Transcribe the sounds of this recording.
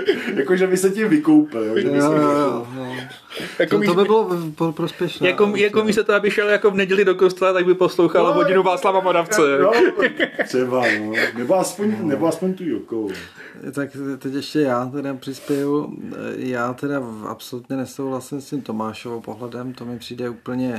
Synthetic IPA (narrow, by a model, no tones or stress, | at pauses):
jakoʒɛvɪsɛcɪmvɪkowpɪljoʒɛɪjojoojo | jakomit̪obɪbɪloppɾospjɛʃnjakomjakomiːst̪ot̪oabɪʃɛljakovnɛɟɛlɪdokost̪ɛlat̪aɡ̚bɪposlowxalɦoɟɪnuvaːslavamoɾaft͡sɛno | sɛvanonɛboaspoɲnɛboaspoɲt̪ujokoo | t̪akt̪ɛcɛʃcɛjaːt̪ɛdapr̥ɪspjɛju | jaːt̪ɛdaa̰psolut̪ɲɛnɛsowɦlasɪmscimt̪omaːʃovopoɦlɛdɛmt̪omɪpr̝̥iːdɛuːpl̩ɲɛ